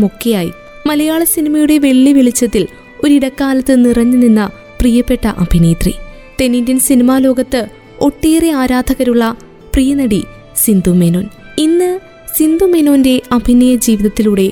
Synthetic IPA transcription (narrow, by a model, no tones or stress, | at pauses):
mokːɐjaːji | mɐlɐjaːɭɐsinimɐjuɽe̞ʋe̞ɭːiʋiɭit͡ɕːɐt̪ːil | o̞ɾiɽɐkːaːlɐt̪ːɨnirɐɲːɨninːɐ | prijɐpːe̞ʈːɐʔɐbʱineːt̪rḭ | t̪e̞nindinsinimaːlo̞ːɡɐt̪ːɨ | o̞ʈːeːreaːɾaːd̪ʱɐɣɐɾuɭːɐ | prijɐnɐɽi | sind̪ʱumenoːn | inːɨ | sind̪umenoːnde̞ɐbʱinejɐd͡ʑiːʋiðɐt̪ːiluɽe̞